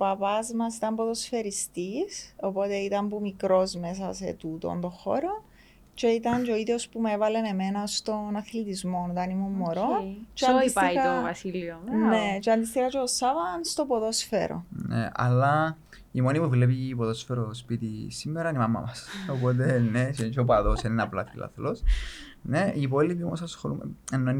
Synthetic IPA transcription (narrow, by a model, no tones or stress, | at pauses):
pɐpɐzmɐs̬it̪ɐmpoðo̞sfe̞ɾist̪iso̞po̞t̪e̞it̪ɐmpumikɾo̞zme̞s̬ɐsḛt̪ut̪o̰nd̪oxo̰ɾo | t͡ʃeit̪ɐɲt͡ʃoiðiospumevɐle̞ne̞me̞nɐst̪o̞nɐθlit̪izmo̞nit̪ɐnimumːoɾot͡ʃad̪isaiit̪ovɐsilione̞t͡ʃeɐnd̪ist̪ixɐt͡ʃeosɐvɐnst̪o̞poðosfḛɾo̰nḛɐ̰lːɐ | imonipuvlep̬ipoðosfeɾospit̪isimːeɾɐnimɐmːɐ̰mɐsopot̪̬enesent͡ʃop̬ɐðosenenɐplɐfilɐ̰θlos | neipolipio̰mosɐsxoɾṵm̰enːon